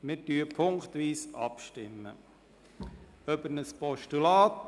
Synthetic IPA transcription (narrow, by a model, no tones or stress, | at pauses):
mɪɾdyːəpʰʊŋkt̪ʋiːsɑ̰pʃtɪmːə̰ | œbənəspɔʃtylaːt